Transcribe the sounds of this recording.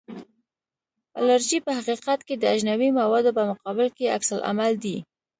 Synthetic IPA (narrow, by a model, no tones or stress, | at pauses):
a̰laɾʒipəhaqiqɑt̪ked̪əaʒnawimawɑd̪opəmʊqɑbɪlkea̰ksalʔa̰mald̪i